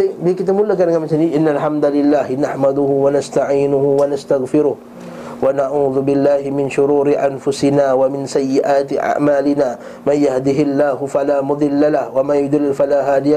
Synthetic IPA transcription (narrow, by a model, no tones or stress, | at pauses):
bɪkɪt̪amʊlːakaɾaŋkamɪnsaniʔɪnːalħamd̪alɪlːaːhɪnaħmad̪ʊhʊwanast̪aʕiːnʊhʊwanast̪aɣfɪɾʊh | wanaʕuːðʊbɪlːaːhɪmɪnʃʊɾuːɾɪʔanfʊsɪnaːwamɪnsajːɪʔaːt̪ɪʔa̰ʕmaːlɪnaː | manjahd̪ɪɦɪlːaːɦʊfalaːmʊd̪ˤɪlːalahwamajʊd̪ɪlːɪlfalaːɦaːd̪ɪja